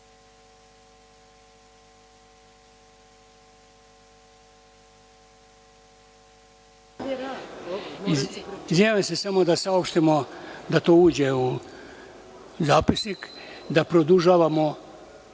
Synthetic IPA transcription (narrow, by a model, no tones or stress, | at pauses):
iziese̞samo̞d̪asaopʃt̪imod̪at̪o̞ːuːd͡ʑeu | zaːpisnik | d̪apɾod̪uʒaːʋamo